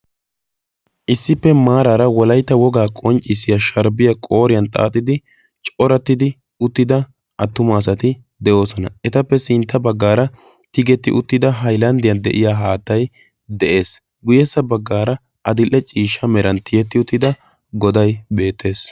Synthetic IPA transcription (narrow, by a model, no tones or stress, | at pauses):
ʔɪsːɪpːɛmaːɾaːɾɐwɔlɐjt̪ːɐwɔɡaːkʼɔnt͡ʃʼːɪsːɪjɐʃɐɾbɪjɐkʼo̞ːɾɪjɐnt̪ʼa̰ːt̪ʼːɪd̪ɪ | t͡ʃʼɔɾɐt̪ːɪd̪ɪ | ʊt̪ːɪd̪ɐ | ʔɐt̪ːʊmaːs̬ɐt̪ɪ | d̪ɛʔo̞ːsɔnɐɛt̪ɐpːɛsɪnt̪ːɐbɐɡːaːɾɐ | t̪ɪɡɛt̪ːɪ̰ʔʊt̪ːɪd̪ɐɦɐjlɐnd̪ɪjɐnd̪ɛ̰ʔɪjaːɦaːt̪ːɐj | d̪ɛʔe̞ːs | ɡʊjɛsːɐbɐɡːaːɾɐ | ɐd̪ɪlʔːɛt͡ʃʼiːʃːɐmɛɾɐnt̪ɪjɛt̪ːɪʊt̪ːɪd̪ɐ | ɡɔd̪ɐjbe̞ːt̪ːe̞ːs